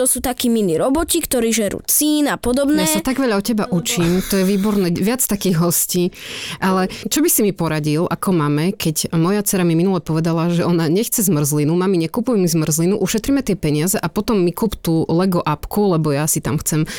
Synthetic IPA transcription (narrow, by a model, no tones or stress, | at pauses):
t̪ɔsuːt̪akiːminiɾɔbɔcikt̪ɔɾiːʒɛɾṵːt͡siːnapɔd̪ɔbnjaɛsat̪aɡʋɛʎaɔcɛbaʔut͡ʃiːmt̪ɔjɛʋiːbɔɾnɛːʋɪat͡st̪akiːɣɦɔsciːʔalɛt͡ʃɔbisimipɔɾaɟilakɔmaːmɛkɛɟmɔjat͡sɛɾamiminulɛpɔʋɛd̪alaʒɛʔɔnaɲɛxt͡sɛzmr̩zlinumamiɲɛkupujɛmizmr̩zlinuʔuʃɛt̪ɾimɛt̪ɪɛpɛɲɪazɛʔapɔt̪ɔmːikuːpt̪uːlɛɡɔʔapkulɛbɔjasit̪a̰mxt͡sɛm